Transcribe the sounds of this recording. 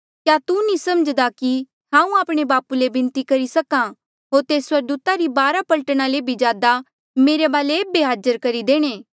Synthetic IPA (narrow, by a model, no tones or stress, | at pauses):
kjat̪unĩsɐməd͡ʒd̪aki | hãːũaːpɽ̃ebaːpulebɪ̃nt̪ikɐɾisɐkã | ɦoːɾt̪eːswɐɾd̪uːt̪aɾibaːɾapɐlʈəɽ̃aleːbʱid͡ʒjaːd̪a | meːɾebaːleeːbeɦaːd͡ʒəɾkɐɾid̪eːɽ̃eː